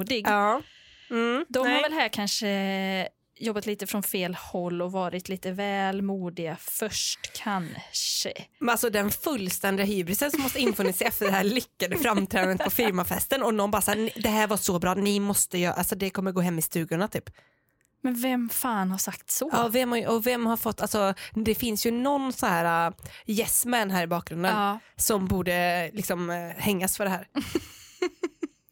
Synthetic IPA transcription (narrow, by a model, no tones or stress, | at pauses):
d̪ɪɡɑː | m̩d̪ɔmhaɾvɛlɦæːɾkʰanʂə | jɔbːat̪liːt̪əfɾɔnfeːlhɔlːɔvɑːɾɪt̪ʰliːt̪əvɛːlmuːd̪ɪɡafœʂʈkʰanʂə̰alsɔd̪ɛnfɵlːst̪ɛnd̪ɪaɦyːbɾɪsənsɔmːɔst̪əɪnːfœːnɪsɛɛfəɖɛhæːɭʏkːad̪əfɾamt̪ʰɾɛːd̪aət̪pʰɔfɪɾmafɛst̪ənɔnɔnbɑːɾasanɪd̪ɛɦæːɾvaʂɔbɾɑːnɪmɔst̪əjœ̰ːɾʔasɔd̪ɛkʰɔmːəɾɡoːɦɛmːɪst̪ʉ̟ːɡjʊnat̪ʰyːp | mɛnvɛmfaːnhaʂakt̪sɔɑːvɛmhaʔɔvɛmːhaɾfɔt̪ːalsɔd̪ɛfɪnsjɵnɔnːsɔnɦæːɾajɛsmɛnɦæːɾɪbɑːk̚ɡɾɵnd̪əsɔmbuːɖəlɪksɔmhɛŋːasfœɖɛhæːɾ